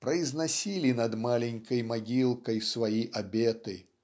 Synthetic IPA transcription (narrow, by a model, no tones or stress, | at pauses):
pɾɐjznasʲilʲinɐd̪malʲɛnʲkɐjmaɡʲilˠkɐjsvajiʔabʲɛt̪ɨ